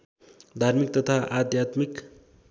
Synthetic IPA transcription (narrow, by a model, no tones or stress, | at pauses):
d̪ʱarmik̚t̪ʌt̪ʰaʔad̪jat̪mik